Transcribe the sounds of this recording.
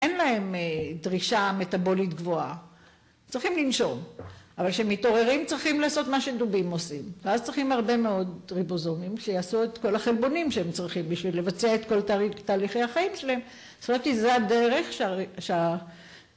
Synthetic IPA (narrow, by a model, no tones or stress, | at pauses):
ʔenlae̞medʁiʃame̞tabo̞litɡvo̞a | t͡sʁiχimlinʃo̞mʔavalʃeemːito̞ʁe̞ʁimt͡sʁiχimlaːso̞t̪maʃe̞dubimo̞simveazt͡sʁiχimhaʁbe̞meo̞dʁibozo̞nimʃejaːsuet̪ko̞laχelbo̞nimʃeemt͡sʁiχimbiʃvilːe̞vat͡seaet̪ko̞ltaːliχejhaχaimʃelae̞m | stomat̪izeadeʁe̞χʃaʃea